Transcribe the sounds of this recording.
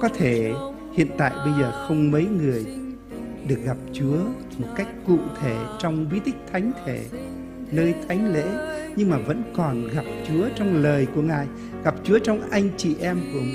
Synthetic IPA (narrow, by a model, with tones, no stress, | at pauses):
kɔ˨˦t̪ʰe˧˩ | hḭ˧˨ənt̪a̰ː˧˨jɓə˧jzəː˨˩xə˧wŋ͡mmə˨˦jŋɨ˨˩əj | ɗɨ˨˩ək̚ɣa˨˩p̚t͡ɕu˨˦ə | mo˨˩t̚ka˦˥jk̟̚kṵ˧˨t̪ʰe˧˩t͡ɕɔ˧wŋ͡mvi˨˦˥t̪ï˦˥k̟̚t̪ʰa˨˦jŋ̟t̪ʰe˧˩ | nəː˧jt̪ʰa˨˦jŋ̟lḛ˧˥ɲɨ˧ŋmaː˨˩və̰˧˥nkɔ˨˩nɣa˨˩p̚t͡ɕu˨˦ət͡ɕɔ˧wŋ͡mləː˨˩jku˧˩əŋaː˨˩j | ɣa˨˩p̚t͡ɕu˨˦ət͡ɕɔ˧wŋ͡mʔa˧jŋ̟t͡ɕḭ˧˨˩ʔɛ˧mku˧˩ə